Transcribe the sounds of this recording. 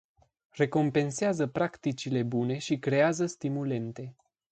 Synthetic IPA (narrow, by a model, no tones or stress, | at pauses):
re̞ko̞mpe̞nseazəpɾakt̪it͡ʃile̞bune̞ʃikɾe̞azəst̪imule̞nt̪e̞